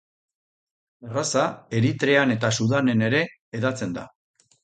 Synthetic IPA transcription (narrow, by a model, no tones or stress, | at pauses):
erasae̞ɾit̪ɾe̞ane̞t̪asuðane̞ne̞ɾe̞ː | ðat͡se̞nd̪a